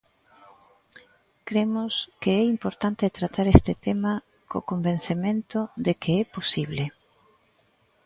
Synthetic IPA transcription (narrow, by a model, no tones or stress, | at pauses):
kɾemʊskeɛimpoɾt̪ant̪et̪ɾat̪aɾɛst̪ɪt̪ɛmɐ | ko̰kombẽn̟θemẽnt̪ʊðekeɛposiβle